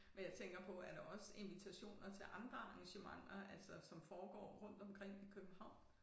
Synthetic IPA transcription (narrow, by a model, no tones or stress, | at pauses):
menjɑ̈ɪt͡sʰeŋɡ̥ɐpʰɒ̽æɐɾ̥ɑ̈ɒ̽se̝nʋit͡sʰæɕo̝̰ːnɐt͡sʰe̝lʔɑ̈nd̥ʁɐɑ̈ŋɕəmɑ̈ŋ̰ɐælsɒsɒ̽mfɒːɡ̥ɒ̰ːʁɔ̽n̰d̥ɒ̽mkʰʁɛŋ̰ikʰøb̥m̩hɑ̈ʊ̰n